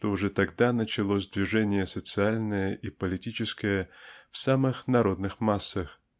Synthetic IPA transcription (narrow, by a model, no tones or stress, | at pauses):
ʂt̪oʊʐɛt̪ɐɡd̪anət͡ɕɪlˠosʲd̪vʲɪʐɛnʲɪjəsət̪sɨalʲnəjəʔipəlʲɪtʲit͡ɕɪskəjəfsamɨxnɐɾo̞d̪nɨxmasːəx